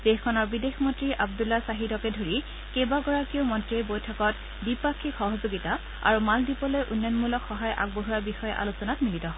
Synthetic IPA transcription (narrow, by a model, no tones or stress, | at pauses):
d̥exkʰɔnɔɹbidexmɔntɹiʔab̚dulːasaɦidɔkɛdʱoɹi | kebaɡɔɹakiʊmɔntɹiejbojtʰɔkɔt | dipakʰːikxɔɦɔzoɡita | a̰ɹumaldipɔlojʔunjɔnmulɔkʰxɔɦajʔa̰ɡ̚boɦuɹabixɔjɛʔa̰losɔnatmilitɔɔ